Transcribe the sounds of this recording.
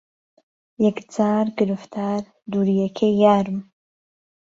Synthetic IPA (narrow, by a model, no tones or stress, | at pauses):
jɛkd͡zaːɾɡɨɾɨft̪ʰaːɾ | d̪uːɾijɛkʰejaːɾɨm